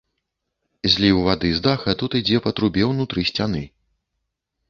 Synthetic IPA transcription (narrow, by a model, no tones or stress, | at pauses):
zʲlʲiwvad̪ɨzd̪axɐt̪ut̪ɨd͡zʲɛpɐt̪ɾubʲɛwnut̪ɾɨsʲt͡sʲanɨ